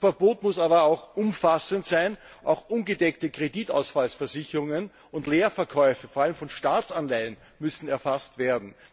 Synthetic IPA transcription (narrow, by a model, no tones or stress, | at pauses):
fɛɐboːtmʊsaːbɐaʊxʔʊmfasəntz̥æɪn | ʔaʊxʔʊnɡədɛktəkʁ̥ediːta̰ʊsfalsfɛɐzɪçəʁʊŋən | ʊntleːɐfɛɐkʰɔʏfəfoɐaləmfɔnʃtaːtt͡sanlaɪən | mʏsn̩ɛɐfastv̥eːɐdn̩